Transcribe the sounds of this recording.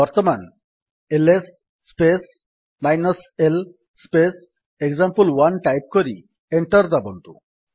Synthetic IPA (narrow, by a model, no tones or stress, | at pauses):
bɔɾt̪ɔman | elesː | pes | majnɔsel | spes | ekzampulwanʈajp̚koɾḭ | eɳʈɔɾd̪abɔnt̪ṵ